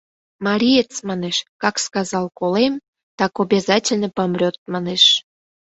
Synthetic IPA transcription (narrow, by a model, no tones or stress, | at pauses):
mɑɾʲijet͡smɑneʃkɑkskɑzɑlˠkolem | t̪ɑkobʲezɑtʲelʲnəpɑmrʲot̪̚mɑneʃ